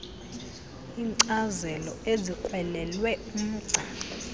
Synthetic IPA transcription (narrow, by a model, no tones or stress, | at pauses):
iːŋǀazɛlɔezikʼwɛlɛlwɛum̩ːǀʱaː